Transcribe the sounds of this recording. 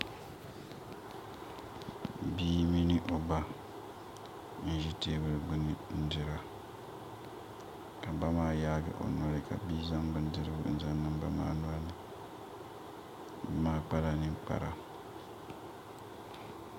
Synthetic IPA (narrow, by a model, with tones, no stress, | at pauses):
biː˦mi˦nɨ˦ʔo˨ba˦ | n̩˦˨˦ʒi˦teː˦bɨ˦ɾɨ˦ɡ͡bɨ˦nɨ˨n̩˦dɨ˦ɾa˨ | ka˨ba˦maː˦jaː˦ɡɨ̰˨ʔo̰˨nɔ˦ɾɨ˨ka̰˨biː˦za˦mbɨ˦n̩˦dɨ˦ɾɨ˦bʊ̰˦n̩˨˦za˦nːɨ˦m˦ba̰˦ma̰ː˦nu˦a˦nɨ˨˦ | maː˦k͡pa˦la˨nɨ˦ŋk͡pa̰˨ɾa˨